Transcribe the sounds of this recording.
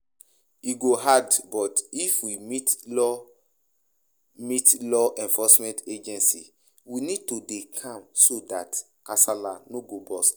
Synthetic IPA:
iɡoɦadbɔtifwimitlɔ | mitlɔʔɛ̃nfɔsmɛ̃nted͡ʒɛ̃nsḭ | winid̚todekʰãmsodat | kasalanoɡobɔs

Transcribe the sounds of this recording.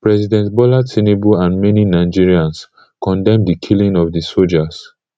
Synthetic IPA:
pɹɛsidɛ̃ntbɔlasinebuãnmɛninaɪd͡ʒiɹiãns | kɔ̃ndɛ̃mdikʰilĩŋɔvdisold͡ʒas

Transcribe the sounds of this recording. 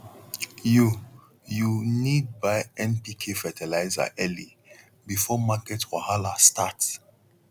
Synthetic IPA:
ju | junid̚baɪɛ̃npikʰefɛtɛlaɪza̰ʔɛli | bifɔmakɛtwahalastats

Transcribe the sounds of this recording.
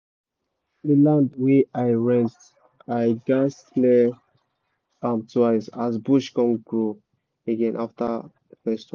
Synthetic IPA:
dilãndweajɹɛ̃n | ajɡas | lɛ | amtʰwajsazbuʃkɔ̃ŋɡɹo | eɡɛ̃nʔafta | əfɛstwã

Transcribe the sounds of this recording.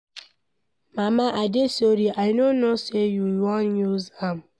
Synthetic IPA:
mamaʔadesoɾiʔaɪnonosejuwɔnjuzam̩

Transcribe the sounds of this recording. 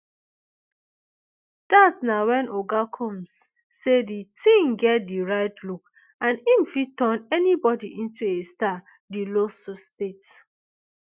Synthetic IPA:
d̥atnawɛ̃nʔoɡakʰɔ̃msː | editĩŋɡɛt̚diɹaɪtluk | ãnim̩fitɔ̃nɛnibɔdiʔĩntʰuesta | dilosustet

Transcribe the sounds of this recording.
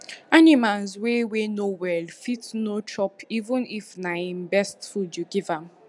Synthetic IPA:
animalzwewenowɛlfitnot͡ʃɔpivə̃nifnaĩmbɛstfudjuɡivãm

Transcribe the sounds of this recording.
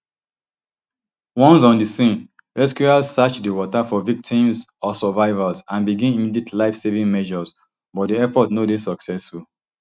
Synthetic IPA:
wɔ̃ns̬ɔ̃ndisĩn | ɹɛskjuazsat͡ʃdiwɔtafɔvik̚tʰĩmsɔsɔvaɪvazãnbiɡĩnimidietlaɪfsevĩŋmɛʒɔz | bɔt̚diɛfɔtnodesɔksɛsful

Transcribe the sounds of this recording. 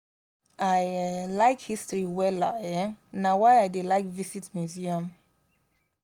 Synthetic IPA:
ʔajlaɪkhistɹiwɛla̰ɛnawajajdelaɪkvisitmjuziə̃m

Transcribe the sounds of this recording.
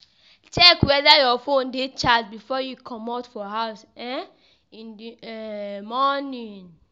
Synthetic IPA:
t͡ʃɛkwɛdajɔfõndet͡ʃad͡ʒbifɔjukʰɔ̃matfɔɦaʊs | ɛ | ĩndiɛmɔnĩn

